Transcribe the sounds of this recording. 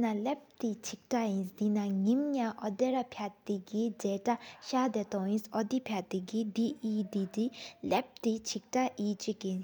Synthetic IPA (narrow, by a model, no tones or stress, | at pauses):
nalɛp̚t̪it͡ɕʰik̚ʈ͡ʂajinsd̪inaŋimɲãʔɔd̪ɛɾapʰjat̪ːiɡid͡zɛːʈ͡ʂaɕaːd̪ɛt̪ɔjinsʔɔd̪ipʰjat̪ːiɡid̪iid̪id̪ilɛp̚t̪it͡ɕʰik̚ʈ͡ʂaʔiːt͡ɕikjin